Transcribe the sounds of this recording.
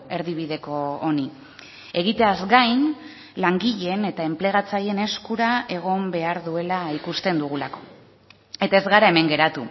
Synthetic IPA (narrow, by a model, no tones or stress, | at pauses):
e̞ɾðiβ̞iðe̞ko̞ːni | e̞ɣ̞it̪e̞azɡajn | laŋɡiʎe̞ne̞t̪ae̞mple̞ɣ̞at͡saje̞ne̞skuɾae̞ɣ̞o̞mbe̞aɾðue̞laikust̪e̞nd̪uɣ̞ulako̞ | e̞t̪ae̞zɣaɾae̞me̞ŋɡe̞ɾat̪u